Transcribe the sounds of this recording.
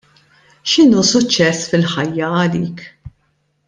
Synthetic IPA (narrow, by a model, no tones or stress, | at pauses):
ʃɪnuːsʊt͡ʃːɛsːfɪlħɐjːɐɐliːk